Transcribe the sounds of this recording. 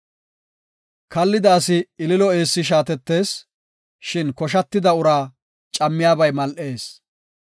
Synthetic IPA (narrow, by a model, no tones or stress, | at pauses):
kɐlːɪd̪aːsɪɪlɪlɔe̞ːsːɪʃ̬aːt̪ɛt̪ːe̞ːs | ʃɪnkɔʃ̬ɐt̪ːɪd̪ɐʊɾaː | t͡ʃʼɐmːɪjaːbɐjmɐlʔe̞ːs